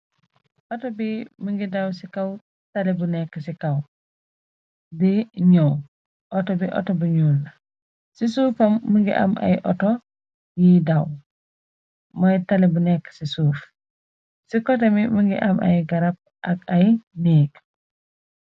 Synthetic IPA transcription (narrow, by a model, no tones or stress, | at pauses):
ʔɔtɔbiməŋɡidɐwsikɐw | tɐlɛbunɛkːəsikɐw | diɲɔw | ʔɔtɔbiʔɔ̰tɔbuɲuːlːɐ | sisuːfɐmːəŋɡḭʔɐ̰mʔɐ̰jʔɔ̰tɔ | jidɐw | mɔjtalɛbunɛkːə̥sisuːf | sikɔtɐmiməŋɡḭʔɐmʔɐ̰jɡɐɾɐp̚ | ʔɐk̚ɐjniːk